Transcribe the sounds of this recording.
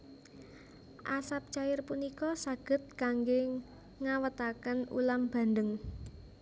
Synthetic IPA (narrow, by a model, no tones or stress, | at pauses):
ʔasap̚t͡ʃajɪrpunikɔsaɡ̥ə̤t̪̚kaŋɡe | ŋawət̪akənṵlamb̥a̤nd̪əŋ